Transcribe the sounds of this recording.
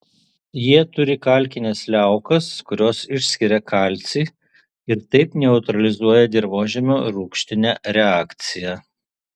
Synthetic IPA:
jiɛt̪ʊɾʲɪkɐˑlʲˑkʲɪnʲɛslʲæˑʊkɐskʊɾʲoːsɪʃʲsʲkʲɪɾʲɛkɐˑlʲt̪sʲiː | ɪɾt̪ɐɪpnʲɛʊt̪ɾɐlʲɪzuɔjɛd̪ʲɪɾʋoːʒʲɛmʲoːɾuːkʃʲt̪ʲɪnʲɛɾʲɛɑːkt̪sʲɪjɛ

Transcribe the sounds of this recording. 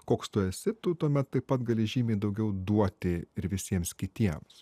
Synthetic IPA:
koːkst̪ʊɛsʲɪt̪ʊt̪uɔmʲɛt̪ːɐɪpɐt̪ɡɐlʲɪʒʲiːmʲeːd̪ɐʊɡʲɛʊd̪uɔt̪ʲɪɪɾʋʲɪsʲiɛmskʲɪt̪ʲiɛms

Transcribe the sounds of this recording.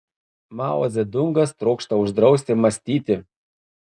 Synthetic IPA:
mɑ̰ːwosʲɛd̪ʊŋɡɐst̪ɾuːkʃt̪ɐʊʒd̪ɾɒʊsʲt̪ʲɪmɐsʲt̪ʲiːt̪ʲɪ

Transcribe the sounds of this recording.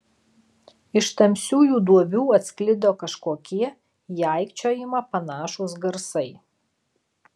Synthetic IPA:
ɪʃt̪ɐmʲsʲuːjuːd̪uɔʋʲuːɐt̪ʲsʲklʲɪd̪ʲoːkɐʃkoːkʲiɛ | jæˑɪkt͡ʃʲoːjɪmɐpɐnɑːʃʊs̬ɡɐɾsɐɪ

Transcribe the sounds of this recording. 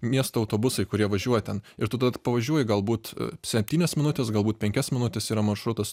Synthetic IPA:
mʲiɛst̪oːɐʊt̪oːbʊsɐɪkʊɾʲiɛʋɐʒʲuɔjɛt̪ʲɛnɪɾt̪ʊt̪ɐpɐʋɐʒʲuɔjɪɡɐlˠbuːt̪sʲɛpʲt̪ʲiːnʲɛsmʲɪnʊt̪ʲɛsɡɐlˠbuːt̪̚pʲɛŋʲkʲɛsmʲɪnʊt̪ʲɛsiːɾɐmɐrʃɾʊt̪ɐs

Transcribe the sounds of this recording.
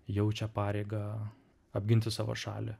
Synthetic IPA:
jɛʊt͡ʃʲɛpɑːɾʲeɪɡɐ | ɐbʲɡʲɪnʲt̪ʲɪsɑːʋo̰ʃɑ̰ːlʲɪ̰

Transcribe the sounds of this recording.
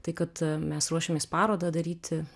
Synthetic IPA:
t̪ɐɪkɐt̪mʲɛsɾuɔʃʲemʲeːspɑːɾoːd̪ɐd̪ɐɾʲiːt̪ʲɪ

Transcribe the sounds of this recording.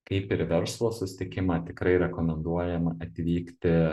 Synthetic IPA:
kɐɪpɪɾʋʲɛɾslˠoːsʊsʲɪ̥t̪ʲɪkʲɪmɑːt̪ʲɪkɾɐɪɾʲɛkoːmʲɛnd̪uɔjɛmɐɐt̪ʲʋʲiːkt̪ʲɪ

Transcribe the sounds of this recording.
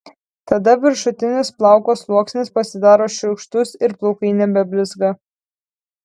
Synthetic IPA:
t̪ɐd̪ɐʋʲɪɾʃʊt̪ʲɪnʲɪsplˠɑˑʊkoːslˠuɔksʲnʲɪspɐsʲɪd̪ɑːɾoːʃʲʊʊkʃt̪ʊsɪɾplˠɔʊkɐɪnʲɛbʲɛbʲlʲɪzɡɐ

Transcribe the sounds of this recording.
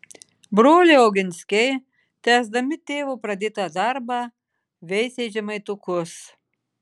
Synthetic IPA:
bɾoːlʲeɪoːɡʲɪnʲsʲkʲɛɪ | t̪ʲæːzd̪ɐmʲɪt̪ʲeːʋupɾɐd̪ʲɪt̪ɐd̪ɑɾbɑː | ʋʲɛɪsʲɛːd͡ʒʲɛmɐɪt̪ʊkʊs

